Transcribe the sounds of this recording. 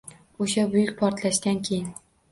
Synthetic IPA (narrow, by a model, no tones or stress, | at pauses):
oʃabʊjʊkʲpʰɒɾt̪laʃd̪ankʲʰejɪn